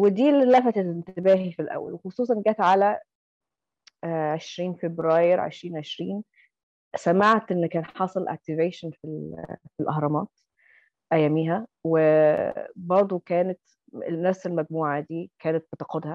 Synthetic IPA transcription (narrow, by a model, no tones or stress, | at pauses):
wed̪iːllːæfæt̪æt̪ent̪ebæːɦifilʔæ̰wːæ̰lwexosˤuːsˤɑnɡæːt̪ʕalæ | ʕeʃɾiːnfebɾæːjɾʕḛʃɾiːnʕeʃɾiːn | sæmaʕt̪ʔenːkːæːnħɑsˤɑlʔæ̰k̚t̪iveːʃænfilfilʔɑhɾˤɑmɑːt̪ | ʔæjːæmiːɦæwe | bɑɾˤd̪ˤukæːnæt̪ | næfselmæɡ̚muːʕad̪iːkæːnæt̪̚bet̪ɑqod̪hæ